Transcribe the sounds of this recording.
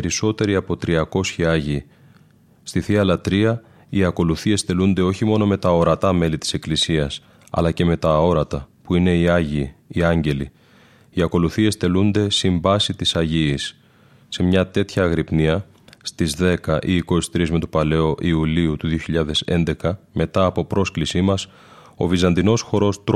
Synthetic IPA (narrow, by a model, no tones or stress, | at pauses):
eɾiso̞t̪e̞ɾiɐpo̞t̪ɾiɐko̞sçiɐʝiː | st̪iθiɐlɐt̪ɾiɐ | iɐko̞luθie̞sθe̞lund̪e̞o̞çimo̞no̞me̞t̪ɐo̞ɾɐt̪ɐme̞lit̪i̥se̞klisiɐs | ɐ̰lɐce̞me̞t̪ɐo̞ɾɐt̪ɐpuine̞iɐʝiːɐɲɟe̞li | iɐko̞luθie̞sθe̞lund̪e̞siɱbɐsit̪isɐʝiːsː | e̞mɲɐt̪e̞t̪çɐːɣɾipniɐ | st̪izðe̞kɐʔiːko̞si̥t̪ɾizme̞t̪opɐle̞o̞ʔiuliut̪uðio̞çiʎɐðe̞se̞̰nd̪e̞kɐme̞t̪ɐːpo̞pɾo̞sklisimɐs | o̞̰vizɐnd̪ino̞sxo̞ɾo̞st̪